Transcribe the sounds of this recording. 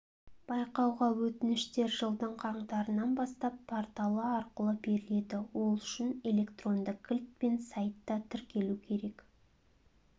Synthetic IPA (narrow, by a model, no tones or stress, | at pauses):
b̥ɑjqɑwʁɑwɵt̪ɪnɪʃt̪e̞ɾʒəlˠd̪əɴqʰɑɴd̪ɑɾənɑnbɑst̪ɑpʰːort̪ɑlˠəɑɾqəlˠəbe̞ɾɪle̞d̪ɪwo̞lˠʏʃɪne̞le̞kt̪ro̞nd̪əqkʲʰːɪlʲt̪̚pe̞nsɑjt̪ːɑt̪ʰʏɾkʲe̞lukʲʰe̞ɾe̞k